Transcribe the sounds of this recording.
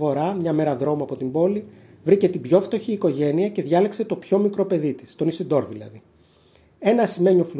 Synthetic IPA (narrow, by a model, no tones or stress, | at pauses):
o̞ɾɐmɲɐme̞ɾɐðɾo̞muɐpo̞t̪imbo̞li | vɾice̞t̪ibʝo̞ft̪o̞çiːko̞ʝe̞niɐce̞ðʝɐlekse̞t̪o̞pço̞mikɾo̞pe̞ðit̪i̥st̪o̞nisid̪o̞ɾðilɐ̰ði | e̞nɐsime̞ɲo̞flu